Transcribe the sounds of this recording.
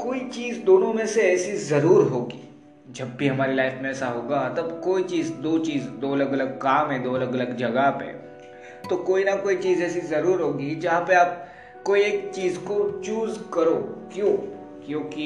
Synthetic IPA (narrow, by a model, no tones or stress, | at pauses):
koːit͡ʃiːzd̪oːnõmẽseɛːsizɐɾuːɾɦoːɡḭː | d͡ʒɐbbʱiɦɐmaːɾilaːɪfmẽɛːsaɦoːɡaːt̪ɐbkoːit͡ʃiːzd̪oːt͡ʃiːzd̪oːɐləɡɐləɡ̚kaːmɦɛ̃d̪oːɐləɡɐləɡd͡ʒɐɡapḛ | t̪okoːinɐkoːit͡ʃiːzɛːsizɐɾuːɾɦoːɡid͡ʒɐɦãpeaːp̚ | koːieːk̚t͡ʃiːzkot͡ʃuːzkɐɾoːkjõː | kjõːki